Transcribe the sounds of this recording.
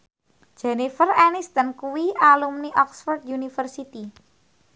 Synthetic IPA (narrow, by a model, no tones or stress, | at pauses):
d̥d͡ʒ̥ɛnifərɛnist̪ənkuwialumniʔɔksfɔrd̪̚junifərsit̪i